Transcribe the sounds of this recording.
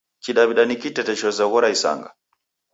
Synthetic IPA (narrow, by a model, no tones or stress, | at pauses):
t͡ʃiɗaβiɗanikitɛtɛʃɔzaɣɔɾaisa̰ŋɡa̰